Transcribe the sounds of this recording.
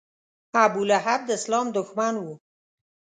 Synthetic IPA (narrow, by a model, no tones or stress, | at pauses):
abulaɦab̚d̪ɪslɑmd̪ʊxmanwu